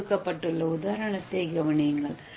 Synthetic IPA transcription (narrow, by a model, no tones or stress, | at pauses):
ɯkːɐpːɐʈːɯɭːɐʊðaːɾɐɳɐt̪ːɐɡɐʋɐɳɪŋɡɐɭ